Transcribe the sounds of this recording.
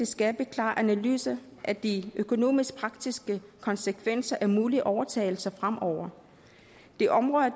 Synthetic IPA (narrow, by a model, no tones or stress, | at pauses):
e̝sɡ̥æb̥e̝kʰlɑ̰̈ːʔænæly̰ːsɐ | ʔæd̥iøkʰo̝no̝̰ːmisɡ̥̚pʰʁɑ̈ɡ̥̚d̥isɡ̥əkʰɒ̽nsəkʰʋen̰sɐʔæɐmuːliʔɒʊɐt͡sʰɛ̰ɪl̩sɐfʁam̰ʔɒʊ̰ɐ | d̥e̝ʔɒ̽mʁɔ̽ðˠɐ